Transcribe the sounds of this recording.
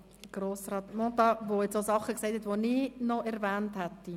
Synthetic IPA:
ɡ̥ɾoːsɾɑːt̪mɔt̪ɑvojet͡sosɑχəksɛɪthɛt̪ʋoniːnɔʔɛɾvæːnthɛt̪ːi

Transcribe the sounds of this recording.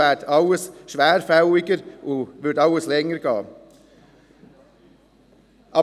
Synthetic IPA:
æːʈʰɑʊəsʃʋæːɾfɑʊɪkəɾʔoʋʉʈɑʊəslɛŋːəɾkɑ̰ː | ʔɑ

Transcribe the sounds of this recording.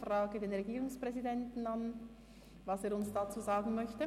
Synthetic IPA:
fraːɡədeːnʁɛɡiːɾʊŋspʁɛzidɛntn̩ɑn | vɑseːɾʊnsd̥at͡suːzaːɡn̩mœçtə

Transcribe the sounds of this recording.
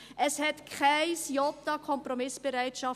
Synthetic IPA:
ʔɛshɛtkʰχæɪsjɔtakʰɔmpromɪsb̥əɾæɪtʃɑ

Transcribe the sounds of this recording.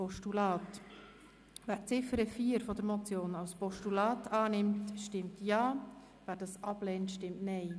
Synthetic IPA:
ɔʃtulɑːt | væːɾt͡sɪfəɾəfiːəɾfɔdəɾmɔt͡sjoːnɑwspɔʃtulɑːtʰɑːnɪmtʃtɪmtjɑː | væːɾdɑsɑb̥lɛːntʃtɪmtnɛɪ

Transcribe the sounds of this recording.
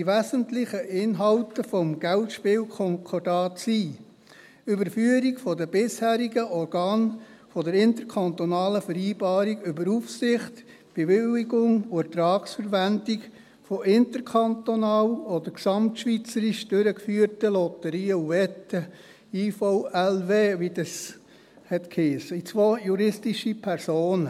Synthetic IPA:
iʋæzəntlɪχəʔɪnɦɑwtəfɔmɡ̥æltʃpɪːwkʰɔŋkʰɔrdɑːtsiː | ybəɾfyːəɾikfɔdəbɪshæːɾiɡəʔɔɾɡ̥ɑːn | fɔdəɾɪnt̪əɾkʰɑnt̪onɑːləfəɾiːbɑːɾiɡʏbəɾufsɪχt | b̥eʋɪliɡʊŋuɛɾtɾɑːksfəɾʋændik | fɔʔɪntəɾkʰɑntonɑːlɔd̪əɾksɑmtʃʋit͡səɾiʃd̥øɾəkfyːəɾtəlɔt̪əɾiːəuʋɛtːə | iːfoʊɛlʋeːʋidəs | hɛtkʰhiːsəit͡sʋojuɾɪstiʃipʰɛɾsoːnə

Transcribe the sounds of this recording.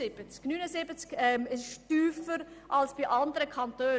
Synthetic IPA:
ɪb̥ət͡sknyːnəsɪbət͡skɛmɪsɪʃtyːfəɾʔɑlsb̥iʔɑndəɾəkʰɑntøː

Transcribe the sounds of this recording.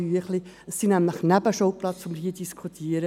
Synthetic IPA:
yəχli | əsːinæmləχnæbəʃoʊplɑt͡st͡sɔmːəɾhiːəd̥iskʰut̪ʰiːəɾə

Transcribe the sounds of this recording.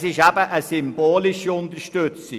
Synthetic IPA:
sɪʃæb̥əʔəsʏmb̥oːlɪʃiʊnt̪əɾʃtøt͡sɪ

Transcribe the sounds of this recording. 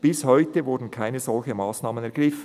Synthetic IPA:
b̥ɪshɔʏtəvʊɾdn̩kʰaɪnəzɔlçəmɑːsnɑːmənɛɐʁɡ̥ʁɪf

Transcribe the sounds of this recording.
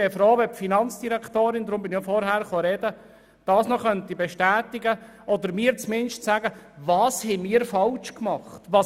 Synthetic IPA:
ɛfɾoːʋɛpfinɑnt͡sd̥iɾɛktoːɾɪnd̪ɾʊmbɪnijɔfɔɾhæːɾχoɾɛdə | d̥ɑːsnɔχœntibɛʃtæːtiɡə | ʔɔd̪əɾmiːɾt͡smɪnʃtsæːɡəvɑːshɛmiːɾfɑlt͡ʃkmɑχtʋɑ

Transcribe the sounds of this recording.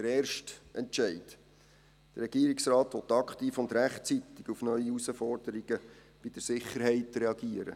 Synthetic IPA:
d̥əɾɛːrʃtʔɛntʃɛɪd̥ | d̥ərɛɡ̥iːɾiksrɑːtʋɔt̪ːɑkχtiːfʊnd̪ɾæχtt͡sit̪ːɪɡ̥ufnœʏiusəfɔrd̥əɾiɡə | b̥ɪd̥əɾsɪχəɾɦɛɪtrɛɑɡiəɾə̰

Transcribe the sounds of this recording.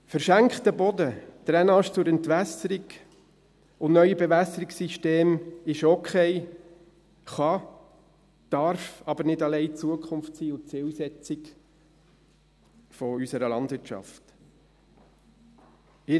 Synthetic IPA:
fəɾʃæŋkχtəbɔdəd̪̥ɾɛnɑʃt͡sʊɾɛnt̪ʋæsəɾiɡ | ʊnnœʏəbevæsəɾiksiʃteːmɪʃokʰχɛɪ | χɑ | d̥ɑɾfɑbəɾnɪdɑlɛɪt͡suəkχʊmftsiːʊt͡sɪlsɛt͡sɪk | fɔysəɾəlɑndvɪɾt͡ʃɑ̰ft | ɪ

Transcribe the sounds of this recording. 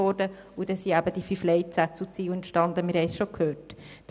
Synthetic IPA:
ɔːɾdə | ud̥ɛsiæbəd̥ifyflɛɪt͡sæt͡sut͡siːwɛnt̪ʃtɑnd̪əmɪɾhɛɪsʃokʰhøːtd̥

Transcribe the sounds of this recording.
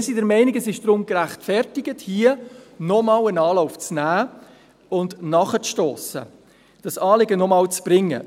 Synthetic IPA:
sidɛɾmɛɪniɡɛsɪʃd̥ɾʊmɡɾæχtfɛrtɪɡəthiənɔmɑwənɑːlɔʊft͡snæː | ʊndnɑχət͡sʃtɔːsə̰ | d̥ɑsɑːlɪɡənɔmɑːwt͡sb̥ɾɪŋːə̰

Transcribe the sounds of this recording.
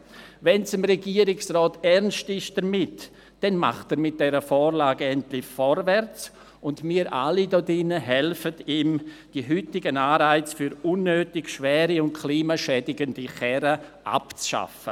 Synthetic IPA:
vɛnsɪmɾɛɡiəɾɪksʁɔːtɛɾnstɪʃd̥əɾmɪt | d̥ɛnma̰χtəɾmɪt̚d̥ɛɾəfɔːɾlaːɡəɛntlɪfɔɾvɛɾt͡s | ʊndmiːəɾʔa̰lidɔdɪnəɦɛlfətiːmd̥iɦytɪɡənaːɾaɪt͡sfyɾʊnːøːtɪɡʃvɛːɾiʊntkʰliːmaʃɛdɪɡəndiχɛɾəʔa̰pt͡sʃa̰fə̰

